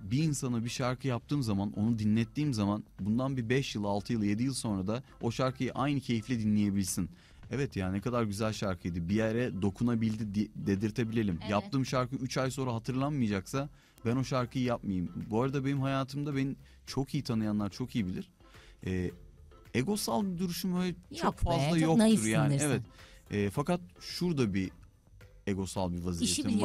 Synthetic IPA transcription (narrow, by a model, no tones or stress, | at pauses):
biːnsanɯbiʃaɾkʰɯjap̚t̪ʰɯːmzamano̞̰nud̪inlːʲɛt̪ːiːmzamanbund̪anbibɛʃjɯlˠalˠt̪ʰɯjɯlˠje̞d̪ijɯlˠso̞nɾad̪a | o̞ʃaɾkʰɯjɯʔajnɯcʰe̞jiflʲɛd̪inlʲeje̞bilʲsin | ɛvɛt̪jaːnnɛkʰad̪aɾɟyzælʲʃaɾkʰɯjd̪ɯbijɛɾɛd̪o̞kʰunabilʲd̪id̪d̪e̞d̪iɾt̪ʰe̞bilʲe̞lʲimjap̚t̪ʰɯːmʃaɾkɯʔyt͡ʃajso̞nɾaɦat̪ʰɯɾlˠanmɯjd͡ʒaksa | bæno̞ʃaɾkʰɯjɯjap̚majɯmbuaɾad̪abe̞nimhɦajaːt̪ʰɯmd̪abeni | t͡ʃʰo̞kʰijit̪ʰanɯjanˠaɾt͡ʃʰo̞kijibilʲiɾ̥ | ɛː | eɡo̞salˠbid̪uɾyʃumhøːlʲɛt͡ʃʰokfazlˠajok̪t̪uɾjaːnievɛt̪ɛːfakat̪̚ʃuɾd̪abi | eɡo̞salˠbivazijei